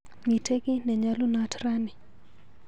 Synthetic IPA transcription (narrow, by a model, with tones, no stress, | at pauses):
mi˨tʰe˦ɡɪ˦nɛ˨ɲa˦lu˦na˦tɾa˦nɪ˨